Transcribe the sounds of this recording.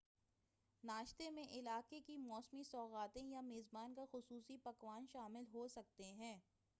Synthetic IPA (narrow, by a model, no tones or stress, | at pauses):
naːʃt̪emẽʔɪlaːkekimɔːsmisɔːɣaːt̪ẽjameːzbaːnkaxʊsuːsipɐkʋaːnʃaːmɪlɦosɐk̚t̪eɦɛ̃ː